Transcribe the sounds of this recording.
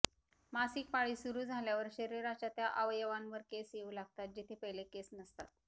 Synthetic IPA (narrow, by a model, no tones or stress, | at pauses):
masiːk̚paɭiːsuɾuːd͡zʱaljaʋəɾɕəɾiɾat͡ɕjat̪jaʔəʋəjəʋanʋəɾkesjeuːlaɡ̚t̪at̪̚d͡ʑit̪ʰepəɦjlekesnəst̪at̪̚